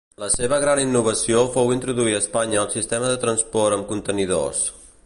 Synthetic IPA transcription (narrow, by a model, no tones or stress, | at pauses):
ləseβəɣɾaninːuβ̞əsiofowint̪ɾuðuiəspaɲəːlˠsist̪ɛməðət̪ɾənspɔrɾəmkunt̪əniðo̰s